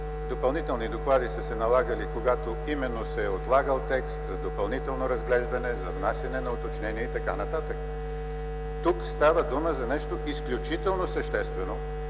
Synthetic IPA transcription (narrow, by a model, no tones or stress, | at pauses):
d̪opɐlˠnit̪ɛlˠnid̪oklˠad̪isəsɛnɐlˠaɡəlikoɡat̪o | imɛnːosɛot̪lˠaɡəlˠt̪ɛkst̪zɐd̪opɐlˠnit̪ɛlˠnoɾɐzɡlɛʒd̪ɐnɛzɐvnasjɐnɛnɐot̪ot͡ʃnɛniɛit̪ɐka̰nɐt̪at̪əkə | t̪ukst̪avəd̪uməzɐnɛʃt̪oʔisklʲut͡ʃit̪ɛlˠnosɐʃt̪ɛst̪vɛno